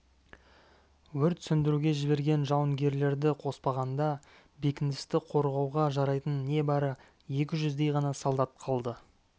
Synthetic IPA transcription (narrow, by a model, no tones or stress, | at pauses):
wɵɾt̪sʏnd̪ɪɾuɡʲe̞ʒɪbe̞ɾɡʲe̞nʒɑwəŋɡʲe̞ɾle̞ɾd̪ɪqʰo̞spɑʁɑnd̪ɑ | be̞kʲɪnd̪ɪst̪ɪqʰo̞ɾʁɑwʁɑʒɑɾɑjt̪ənːe̞bɑɾə | je̞k̬ʲɪʒʏzd̪e̞jʁɑnɑsɑlˠd̪ɑt̪̚qʰɑlˠd̪ə